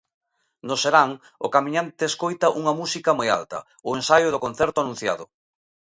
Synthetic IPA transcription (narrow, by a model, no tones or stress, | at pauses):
nʊseɾaŋ | ʊ̰kamiɲant̪eeskojt̪ɐʔuŋɐmusikɐmoja̰lt̪ɐ̰ | ʊensajʊðokon̟θɛɾt̪ʊanũn̟θja̰ðʊ